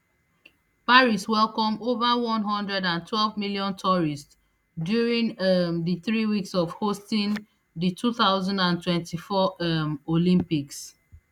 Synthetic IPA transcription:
paɹiswɛlˠkɔ̃movawɔ̃nɦɔ̃ndɹɛdãntʰwɛlvmiljɔ̃ntʰɔɹist | djuɹĩŋðɨθɹiwiksɔvhostĩn | ðitʰuθaʊzãndãntwɛ̃ntʰifɔmolĩmpiks

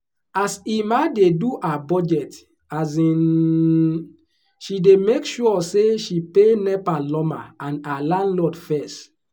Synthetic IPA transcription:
asimadeduʔabɔd͡ʒɛt | azĩn | ʃidemekʃuɔseʃipenɛpalɔma̰ãnalãnlɔdfɛst

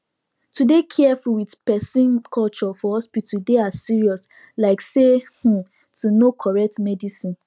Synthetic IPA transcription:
tudekʰɛfuwidpɛsĩnkʰɔlt͡ʃɔfɔhɔspitʰudeasiɹiɔs | laɪksehũ | tunokʰɔɹɛk̚tmɛdisĩn

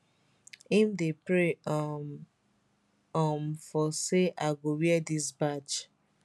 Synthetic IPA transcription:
ĩmdepɾe | ɔmfɔseʔaɪɡowiɛdisbat͡ʃ

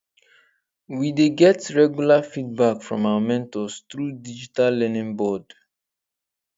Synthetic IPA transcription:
wideɡɛtɹɛɡjulafid̚bakfɹɔ̃mawamɛ̃ntɔst̪ɹudid͡ʒitalːɛnĩŋbɔd

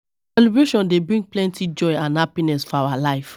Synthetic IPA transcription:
sɛlibɹeʃɔ̃ndebɹĩŋɡ̚plɛ̃ntʰid͡ʒɔɪãnhapinɛsfɔawalaɪf

